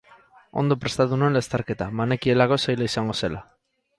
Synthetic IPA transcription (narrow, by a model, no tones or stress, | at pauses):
o̞̰nd̪o̞pɾe̞st̪at̪unoenlest̪aɾke̞t̪amane̞kie̞lako̞sajlaisaŋɡo̞se̞la